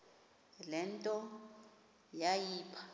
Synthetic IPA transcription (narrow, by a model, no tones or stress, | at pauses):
lɛntʼɔ | jajiːpʰḁ